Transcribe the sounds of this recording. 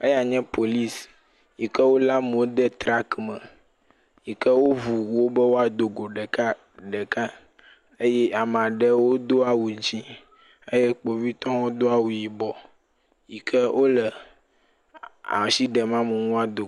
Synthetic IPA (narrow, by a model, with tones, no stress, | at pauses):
ə˦ja˨ɲɛ̃˦pʰo˨li˦s | ji˨kə˦wo˦la˦m˨wo˦d̪ɛ˦t̪ɾa˦kmə̰˨ | ji˨kə˦wo˦vu˨wo˦bə˦wo˦a˨d̪o˨ɡo˨ɖɛ˨ka˦ | ɖɛ˨ka˦ | ə˦jɛ˦ʔa˨m˨a˨ɖɛ˦wo˦d̪o˦a˨wu˨ɲ˦t͡ʃi˦ | e˦jɛ˦k͡po˨vi˦t̪ɔ̃˦wo˦d̪o˦a˨wu˨ji˨bɔ˨ | ji˨kʰə˦wʔo˦lə˨ | a̰˨m˨si˦ɖɛ˨mã˦mə˨nõ˦a˨d̪o˨